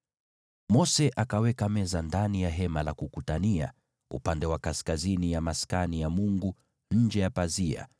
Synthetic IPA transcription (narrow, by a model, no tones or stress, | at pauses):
mɔsɛʔakawɛkamɛzandanijaɦɛmalakukutania̰ | ṵpandɛwakaskazinijamaskanijamuŋɡu | ɲ̩d͡ʒɛjapazia̰